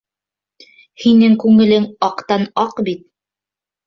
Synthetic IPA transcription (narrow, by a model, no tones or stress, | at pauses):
hinɘŋkʉŋɘ̆lɘŋɑqt̪ɑnɑqbit̪̚